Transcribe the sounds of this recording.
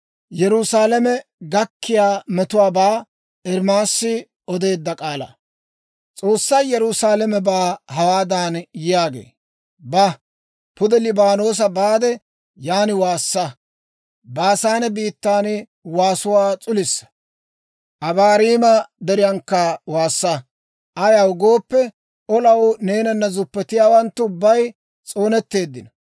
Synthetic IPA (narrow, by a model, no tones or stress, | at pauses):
jɛɾʊsaːlɐmɛɡɐkʰːɪjaːmɛt̪ʊwaːbaː | ɛɾmaːsːɪ | ɔd̪e̞ːd̪ːɐkʼaːlɐ̰ | t͡sʼo̞ːsːɐjjɛɾʊsaːlɛmɛbaːɦɐwaːd̪aːnjɪjaːɡḛː | bɐ | pʊd̪ɛlɪbaːno̞ːs̬ɐbaːd̪ɛ | jaːnɪwaːsːɐ | baːsaːnɛbiːt̪ːaːn | waːsʊwaːt͡sʼʊlɪsːɐ̥ | ʔɐbaːɾiːmɐd̪ɛɾɪjɐŋkːɐwaːsːɐ | ʔɐjɐwʊɡo̞ːpːɛ | ʔɔlɐwne̞ːnɐnːɐzʊpːɛt̪ɪjaːwɐnt̪ːʊʊbːɐj | t͡sʼo̞ːnɛt̪ːe̞ːd̪ːɪnɐ